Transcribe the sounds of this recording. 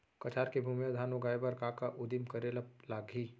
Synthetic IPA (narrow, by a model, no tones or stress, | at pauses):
kɐt͡ʃaːɾkebʱuːmjad̪ʱaːnoɡaːebɐɾkaːkaʔʊd̪imkɐɾeləp̚laːɡi